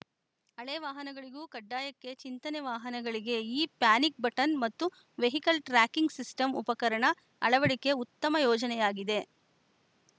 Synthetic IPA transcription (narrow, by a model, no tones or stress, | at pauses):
ɐɭeʋaːɦɐnɐɡɐɭiɡuːkɐɖːaːjɐkːe̞t͡ʃint̪ɐneʋaːɦɐnɐɡɐɭiɡe̞iːpjaːnik̚bɐʈɐnmɐt̪ːu | ʋe̞ɦikɐlʈɾaːkiŋɡsisʈɐmupɐkɐɾɐɳɐ | ɐɭɐʋɐɽike̞ut̪ːɐmɐjɔːd͡ʒɐnɛjaːɡid̪e̞